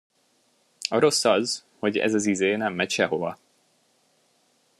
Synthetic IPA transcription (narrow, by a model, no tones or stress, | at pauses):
ɒɾo̞sːɒzho̞ɟɛ̰zɒzizeːnɛmːɛcʃɛɦo̞vɒ